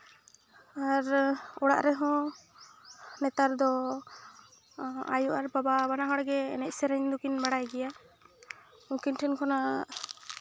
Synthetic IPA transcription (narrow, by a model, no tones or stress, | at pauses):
aɾɔɽa̰ʔɾɛɦɔ̃ | nɛt̪aɾd̪ɔ | a̰juʔaɾbababanaɦɔ̃ɽɛɡɛːnɛc̪̚sɛɾɛɲd̪ukinbaɽajɡɛja | ũkinʈʰɛnkʰɔna